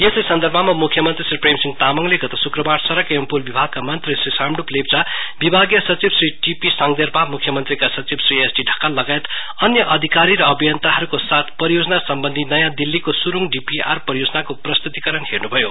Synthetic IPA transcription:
jeslesʌnd̪ʱʌɾbʱʌmamukʰjʌmʌnt̪risripremsiŋt̪amʌŋleɡʌt̪osukrʌbarsʌɾʌkempulbibʱaɡ̚kamʌnt̪risrisamɖuplep̚t͡sabibʱaɡjʌsʌt͡sibsriʈipisaŋd̪erpamukʰjʌmʌnt̪rikasʌt͡sibsriesɖiɖʱʌkalːʌɡajet̪ | ʌnjʌʔʌd̪ʱikaɾiɾʌːbijʌnt̪aɦʌɾukosat̪ʰpʌɾijod͡zʌnasʌmbʌnd̪ʱinʌjãd̪ilːikosuɾuŋɖipia̰rpʌrjod͡zʌnakoprʌst̪ut̪ikʌɾʌnhernubʱʌjo

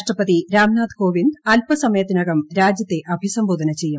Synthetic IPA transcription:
ʂʈrɐpɐðiɾaːmnaːd̪koːʋind̪ɐlpɐsɐmɐjɐt̪ːinɐɣɐmɾaːd͡ʑjɐt̪ːe̞ʔɐbʱisɐmboːd̪ʱɐnɐt͡ɕe̞jːum

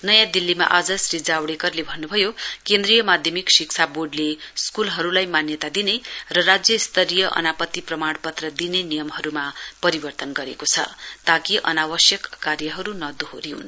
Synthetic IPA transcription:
nʌjãd̪ilːima̰ʔad͡zʌsɾid͡zawɽekʌrlebʱʌnːubʱʌjokẽnd̪rijʌmad̪ʱjʌmiksikt͡sʰaboɖleskulɦʌɾulajmanjʌt̪ad̪inerʌrad͡zjʌist̪ʌɾijʌʔʌ̰napʌt̪ːiprʌmaɽpʌt̪rʌd̪inenijʌmɦʌɾumapʌɾibʌrt̪ʌnɡʌɾekot͡sʰʌ̰t̪akiʔʌ̰nawʌsjʌkːarjʌɦʌɾunʌd̪uɦoɾiun

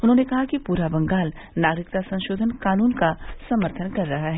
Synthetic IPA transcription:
ʊnɦõːnekɐɦakipuːɾabɐ̃ŋɡaːl | naːɡɾɪk̚t̪asɐ̃nʃoːd̪ʱənkaːnuːnkasɐməɾt̪ʰənkɐɾːɐɦaɦɛː

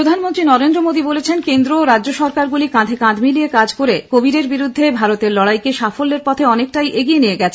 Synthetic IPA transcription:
ɾod̪ʱanmont̪ɾinɔɾend̪ɾomod̪ibolet͡ɕʰenkend̪ɾoɾadʑoʃɔɾkaɾɡulikãd̪ʱekãd̪miliekad͡ʑkoɾekobiɾeɾbiɾud̪ʱːebʱaɾot̪eɾlɔɽajkeʃafolːeɾpɔt̪ʰeɔnek̚ʈajʔeɡijenijeɡɛt͡ɕʰe

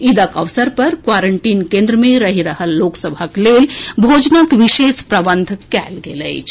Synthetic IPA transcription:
id̪əkəʋsəɾpɐɾkwaːɾəɳʈiːnkẽnd̪ɾəmẽɾəɦiɾəɦəlːoksəbʱəkleːlbʱoːd͡ʒnəkʋiʃeːspɾəbənd̪ʱkɛ̰ːlɡelə̰ɪt͡ʃʰ

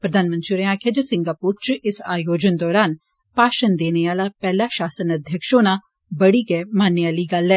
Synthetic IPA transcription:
pɾəd̪ʱaːnmənt̪ɾiɾeãːkʰed͡ʒəsɪ̃ŋɡaːpuːɾt͡ʃʔɪsaːjoːd͡ʒənd̪ɔːɾaːn | paːʃənd̪eːneaːlaːpɛːlaːʃaːsənɐd̪ʱjəkʃõːnã | bɐɽiːɡɐɛmaːnːəaːliɡɐlɛː

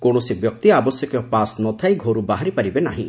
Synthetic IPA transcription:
koɽ̃ɔsibjɔkt̪iabɔsjɔkjɔpasnɔt̪ʰajɡʱoɾubaɦaɾipaɾibena̰ɦĩ

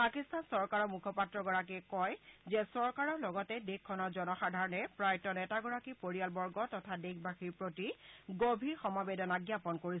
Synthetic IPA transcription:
pakistansɔɹkaɹɔmukʰɔpatɹɔɡɔɹak̬ikɔjzɛsɔɹkaɹɔɹlɔɡɔtɛdekʰːɔnɔzɔnɔxadʱaɹɔnɛpɹajtɔnɛtaɡɔɹakipoɹijalbɔɹɡɔtɔtʰadekbaxiɹpɹotiɡobʱiɹxɔmabedɔnaɡjapɔnkoɹis

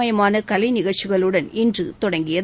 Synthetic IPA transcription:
ɐjɐmaːnɐkɐlɐɪnɪɣɐɭt͡ʃɪɣɐɭɯɽɐnɪndrɯt̪ɔɽɐŋɡɪjɐ

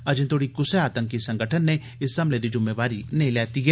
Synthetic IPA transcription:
ɐd͡ʒnt̪ʰoːɽikʊseaːt̪ə̃ŋkːisɐ̃ŋɡəʈʰənːẽ | ɪsɐmled̪id͡ʒʊmːeʋaːɾinɐɦĩlɛːt̪iɦɛː

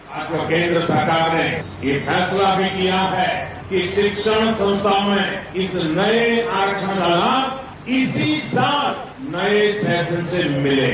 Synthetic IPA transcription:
aːt̪ʋəkẽːnd̪ɾəsəɾkaːɾnejepʰɛːslabʱikijaɦɛ | kiʃɪkʃəɽ̃sə̃ñst̪ʰamẽɪsnɐeaːɾt͡ʃʰə̃kalaːm | ɪsisaːt̪̚ʰ | nɐesɛːsə̃nsemɪleː

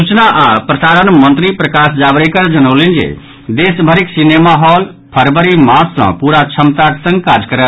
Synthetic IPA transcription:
sut͡ʃnaʔapɾəsaɾənmənt̪ɾipɾəkasd͡ʒabɾekəɾd͡ʒənəwlind͡ʒḛ | d̪esbʱəɾiksinemaɦɔl | pʰəɾbəɾimãsːə̰̃puɾat͡ʃʰəmt̪at̪sə̃ŋɡkad͡ʒkəɾət̪

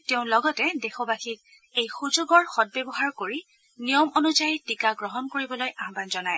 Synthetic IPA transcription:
teʊ̃lɔɡɔtɛdexɔbaxik̚ | ejxuzoɡɔɹxɔd̚bɛbɔɦaɹkoɹi | nijɔmɔnuzajitikaɡɹɔɦɔnkoɹibɔlojʔaɦbanzɔnaj

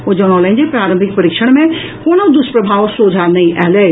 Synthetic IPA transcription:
od͡ʒonɔːlẽɲd͡ʒepɾaːɾə̃mbʱɪkpɐɾikʃəɽ̃mẽ | koːnod̪ʊspɾəbʱaːʋsoːd͡ʒʱanɐɦĩʔɛɦleː

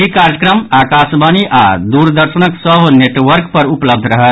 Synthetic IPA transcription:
ikaɾjəkɾəmakasbaniʔad̪uɾd̪əɾsənəksəɦneʈʋəɾkpəɾupləb̚d̪ʱɾəɦət̪

